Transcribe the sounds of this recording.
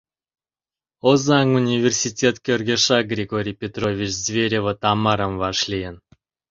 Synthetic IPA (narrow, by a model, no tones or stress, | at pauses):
ozɑŋunʲivʲersʲitʲet̪kʲørɡʲeʃɑɡrʲeɡoɾʲijpʲet̪rovʲit͡ɕzvʲeɾʲevə̆t̪ɑmɑɾə̆mvɑʃlʲijən